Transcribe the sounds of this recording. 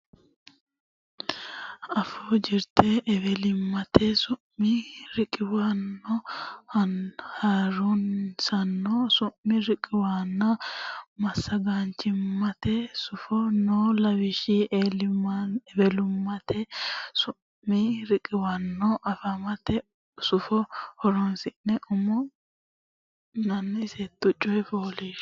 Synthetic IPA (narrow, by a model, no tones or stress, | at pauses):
ɐfoːd͡ʒɪɾt̪ʰeːʔɛbɛlɪmːɐt̪esʊʔiɾɪkʼɪwanːɔhɐnhaːɾunsɐnːɔsʊmːɪɾɪkʼːɪwaːnːɐmɐsːɐɡaːnt͡ʃɪmːɐt̪esʊfɔnolɐwɪʃɪelɪmabɛlʊmːɐt̪ɛsʊː | ɪɾɪkʼːɪwanːɔʔɐfɐmɐt̪ɛ | sʊfɔhɔɾɔnsɪnːɛʔʊmɔ | nɐnːɛɪsɛt̪ːʊt͡ʃʼːɔjfoːleʃ